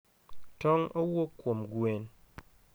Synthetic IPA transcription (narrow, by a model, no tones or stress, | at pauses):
tɔŋowokwomɡwen